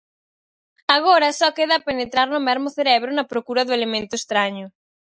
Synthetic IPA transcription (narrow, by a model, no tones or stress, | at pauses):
aɣ̞oɾɐsɔkeðɐːpenet̪ɾaɾnʊmɛɾmʊθeɾɛβɾʊnɐpɾokuɾɐðʊelemẽnt̪ʊest̪ɾaɲʊ